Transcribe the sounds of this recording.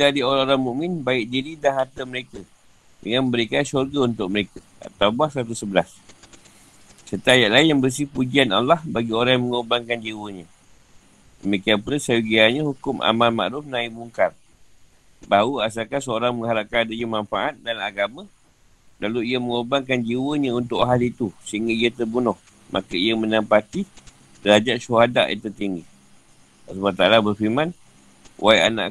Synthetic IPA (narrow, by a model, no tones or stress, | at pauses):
dadioɾaoɾaŋmũʔmɪnbaɪʔ̚diɾidaŋhɦat̪əməɾekə | dəŋanmə̃mbəɾikansurɡaunt̪ʊʔ̚məɾekə | a̰t̪aubahsəɾat̪usəbəlas | sərt̪ajaʔlaɪnjaŋbərs̬ipud͡ʒiana̰lːahbaɡioɾajaməŋurbaŋkand͡ʒiwəɲã | dəmikianpuləsajuɡiaɲãhukʊmʔa̰malma̰ʔɾʊfnãimuŋkar | baɦauas̬akasəoɾaŋməŋɦaɾap̚kanadaɲumanfaʔat̪̚danaɡamã | laluiəməŋurbaŋk̬and͡ʒiwəɲəunt̪ʊʔɦalit̪usəɦiŋɡəiət̪ərbunɔh | mʔa̰kəijəmə̃nampat̪i | dəɾad͡ʒaʔʃuɦada̰ʔjə̰t̪ərt̪iŋɡi | asubat̪alabərfimãn | wʔaia̰na̰